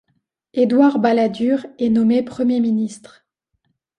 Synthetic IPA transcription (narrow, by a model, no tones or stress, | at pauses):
ed̪waʁbalad̪yʁɛnɔmepχəmjeminist̪χ